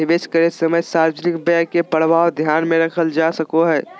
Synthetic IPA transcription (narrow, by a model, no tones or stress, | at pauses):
ɪbeːskəɾesəməjsaɾd͡ʒənɪkbɛkepəɽ̤baːod̪ʱjaːnmẽɾɐkʰəld͡ʒasəkoɦɛː